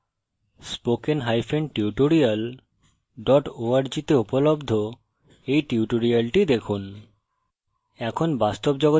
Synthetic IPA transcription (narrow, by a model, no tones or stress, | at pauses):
spokenɦajfʰeɳɖʈiuʈoɾial | ɖɔʈoaɾd͡ʑit̪eupolobd̪ʱo | ejʈiuʈoɾialʈid̪ekʰun | ɛkʰonbast̪obd͡ʑɔɡo